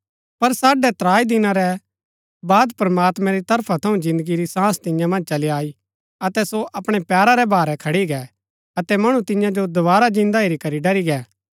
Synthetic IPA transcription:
pɐɾsaːɖɛt̪ɾaːid̪ɪnaɾɛ | baːd̪pɾɐmaːt̪mɛ̃ɾit̪ɐɾpʰat̪ʰɐũd͡ʒɪ̃nd̪əɡiɾisãːst̪ɪ̃jãmɐ̃nd͡ʒt͡ʃɐliaːi | ɐt̪ɛsoʔɐpɽ̃ɛpɛːɾaɾɛbaːɾɛkʰɐɽiɡɛ | ɐt̪ɛmɐɽ̃ũt̪ɪ̃jãd͡ʒod̪ʊβaːɾad͡ʒɪ̃nd̪aeɾikɐɾiɖɐɾiɡɛː

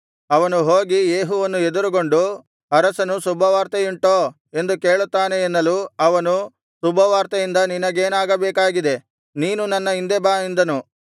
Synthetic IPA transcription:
ɐʋɐnuɦo̞ːɡijeːɦuʋɐnːued̪uɾuɡo̞ɳɖu | ɐɾɐsɐnusubʱɐʋaːɾt̪ɐjiɳʈoː | e̞nd̪uke̞ːɭut̪ːaːneːnːɐluɐʋɐnu | subʱɐʋaːɾt̪ɐjind̪ɐninɐɡe̞ːnaːɡɐbɛːkaːɡid̪e̞ | niːnunɐnːɐind̪ebaːind̪ɐnu

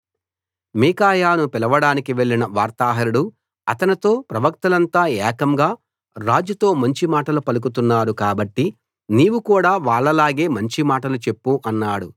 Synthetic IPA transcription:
miːkaːjaːnupɛlɐʋɐɽaːnikiʋe̞ɭːinɐʋaːɾt̪aːɦɐɾuɽu | ɐt̪ɐnit̪o̞ːpɾɐʋɐk̚t̪ɐlɐnt̪aːɛːkɐmɡaː | ɾaːd͡ʒjut̪o̞ːmɐɲt͡ʃimaːʈɐlupɐluk̬ut̪unːaːɾukaːbɐʈːi | niːʋukuːɽaːʋaːɭːɐlaːɡe̞ːmɐɲt͡ʃimaːʈɐlut͡ʃe̞pːuʔɐnːaːɽu

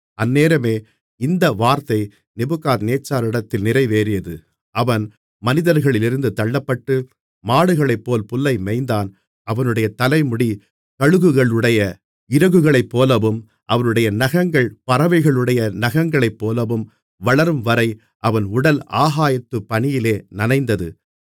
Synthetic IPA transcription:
ɐnːeːɾɐmeː | ɪnd̪ɐʋaːɾt̪ɐɪ | nɪbɯkːaːt̪neːt͡ʃːaːɾɪɽɐt̪ːɪlnɪrɐɪʋeːɾɪjɐðɯ | ʔɐʋɐn | mɐnɪðɐɾɣɐɭɪlɪɾɯnd̪ɯt̪ɐɭːɐpːɐʈːɯ | maːɽɯɣɐɭɐɪpːoːlpʊlːɐɪmɛɪnd̪aːn | ɐʋɐnɯɽɐjɐt̪ɐlɐɪmʊɽi | kɐɻɯɣɯɣɐɭɯɽɐjɐ | ɪɾɐɣɯɣɐɭɐɪpːoːlɐʋɯm | ʔɐʋɐnɯɽɐjɐnɐɣɐŋɡɐɭpɐɾɐʋɐɪɣɐɭɯɽɐjɐnɐɣɐŋɡɐɭɐɪpːoːlɐʋɯm | ʋɐɭɐɾɯmʋɐɾɐɪ | ʔɐʋɐnʊɽɐla̰ːɣaːjɐt̪ːɯpːɐɳɪjɪleːnɐnɐɪnd̪ɐðɯ̰

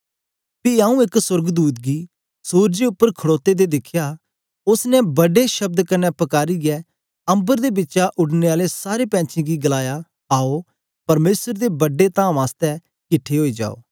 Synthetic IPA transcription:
piaːũɪkswɐɾɡd̪uːt̪̚ɡi | suːɾd͡ʒeʊpːəɾkʰɐɽoːt̪ed̪ed̪ɪkʰja | ʊsnɛbɐɖeʃɐb̚d̪kɐnːɛpɐkaːɾiɡɛ | ɐ̃mbəɾd̪ebɪtːʃaʔʊɽneaːlesaːɾepɛ̃ːt͡ʃʰĩɡiɡɐlaːja | aːo | pɐɾmeːsəɾd̪ebɐɖːet̪ãːmaːst̪ɛ | kɪʈʰːeɦoːid͡ʒa̰ːo̰ː

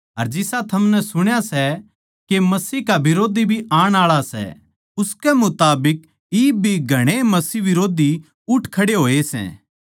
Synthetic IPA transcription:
ɦɐɾd͡ʒɪsat̪ʰɐmnɛsʊɽ̃jasɛ | kemɐsiːkabɪɾoːd̪ʱibʱiʔaːɽ̃aːɭasɛ̰ | ʊskɛmʊt̪aːbɪk̚ | iːb̚bʱiɡʱɐɽ̃emɐsiʋɪɾoːd̪i | ʊʈʰkʰɐɽeɦoːesɛ̰̃ː

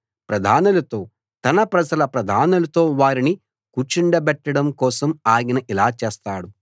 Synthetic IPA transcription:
pɾɐd̪ʱaːnulɐt̪o̞ː | t̪ɐnɐpɾɐd͡ʒɐlɐpɾɐd̪ʱaːnulɐt̪o̞ːʋaːɾini | kuːt͡ʃiɳɖɐbɛʈːɐɽɐmkɔːsɐmaːɡinɐʔilaːt͡ʃeːst̪aːɽu

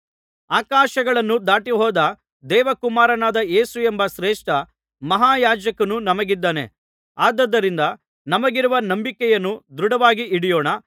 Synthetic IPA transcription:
aːkaːʃɐɡɐɭɐnːud̪aːʈiɦɔːd̪ɐ | d̪ɛːʋɐkumaːɾɐnaːd̪ɐe̞ːsuembɐʃɾeːʂʈɐ | mɐɦaːjaːd͡ʒɐkɐnunɐmɐɡid̪ːaːnḛ | aːd̪ɐd̪ːɐɾind̪ɐ | nɐmɐɡiɾuʋɐnɐmbikɛjɐnːud̪ɾuɽɐʋaːɡiʔiɽijɔːɳɐ

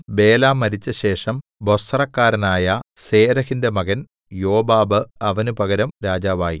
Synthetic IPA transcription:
be̞ːlaːmɐɾit͡ɕːɐɕe̞ːʂɐmbo̞srɐkːaːɾɐnaːjɐse̞ːɾɐhindemɐɣɐn | jo̞ːbaːbɨɐʋɐnupɐɣɐɾɐmɾaːd͡ʑaːʋaːjḭ

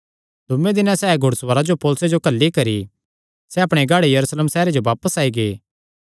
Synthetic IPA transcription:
d̪ʱʊmẽd̪ɪnãsɛːɡʱʊɽsʋəɾad͡ʒopɔːlʊsed͡ʒokɐlːikɐɾḭ | sɛɐpɽ̃eɡʱaːɽejɐɾuːsleːmsɛːɾed͡ʒoʋaːpəsaːiɡeː

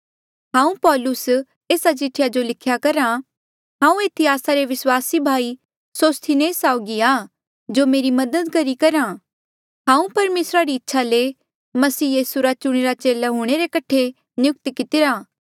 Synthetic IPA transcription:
ɦãːũpɔːlʊs | eːsat͡ʃɪʈʰːɪjad͡ʒolɪkʰjakɐɾa | ɦãːũeːt̪ʰiaːsaɾeʋɪswaːsibʱaːi | soːst̪ʰineːsaːʊɡiaː | d͡ʒomeːɾimɐd̪əd̪kɐɾikɐɾãː | ɦãːũpɐɾmeːsɾaɾiɪtːʃʰale | mɐsiːjiːsuɾat͡ʃʊɽ̃eɾat͡ʃeːlaɦuːɽ̃eɾekɐʈʰe | njʊk̚t̪kɪt̪ɪɾaː

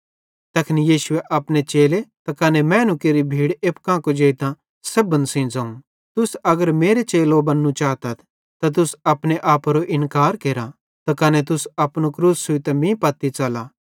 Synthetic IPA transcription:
t̪ɐkʰnijiːʃʊeʔɐpnet͡ʃeːlet̪akɐnemɛ̃ːnukeɾibʱiːɽeːp̚kãːkod͡ʒeːɪt̪ã | sɐbənsĩd͡zɐːũ | t̪ʊsɐɡəɾmeːɾet͡ʃeːlobɐnːũt͡ʃaːt̪ɐt̪ʰ | t̪at̪̬ʊsɐpneʔaːpɾoʔɪnkaːɾkeːɾa | t̪akɐnet̪̬ʊsɐpñukɾuːsːʊit̪ɛmĩpɐt̪it͡ʃɐla

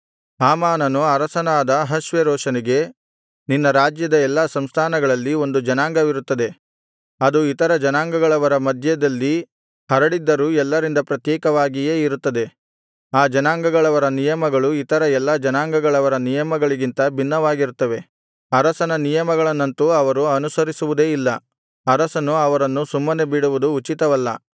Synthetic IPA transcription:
aːmaːnɐnuɐɾɐsɐnaːd̪ɐɦɐʃʋeɾɔːʂɐniɡe̞ | ninːɐɾaːd͡ʒjɐd̪ɐɛlːɐsɐmst̪ʰaːnɐɡɐɭɐlːio̞nd̪ud͡ʒɐnaːŋɡɐʋiɾut̪ːɐd̪e̞ | ɐd̪uit̪ɐɾɐd͡ʒɐnaːŋɡɐɡɐɭɐʋɐɾɐmɐd̪ʱjɐd̪ɐlːi | hɐɾɐɽid̪ːɐɾuːɛlːɐɾind̪ɐpɾɐt̪jɛːkɐʋaːɡijeːiɾut̪ːɐd̪e̞ | aːd͡ʒɐnaːŋɡɐɡɐɭɐʋɐɾɐnijɐmɐɡɐɭuit̪ɐɾɐɛlːɐd͡ʒɐnaːŋɡɐɡɐɭɐʋɐɾɐnijɐmɐɡɐɭiɡint̪ɐbʱinːɐʋaːɡiɾut̪ːɐʋe̞ | ɐɾɐsɐnɐnijɐmɐɡɐɭɐnːɐnt̪uɐʋɐɾuɐnusɐɾisuʋud̪e̞ːilːɐ | ɐɾɐsɐnuɐʋɐɾɐnːusumːɐne̞biɽuʋud̪uːt͡ʃit̪ɐʋɐlːɐ̰

